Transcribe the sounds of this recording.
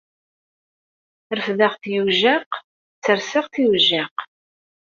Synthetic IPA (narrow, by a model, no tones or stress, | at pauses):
ɾfðaʁθjuʒæq | t͡sːəɾsəʁθiwʒæq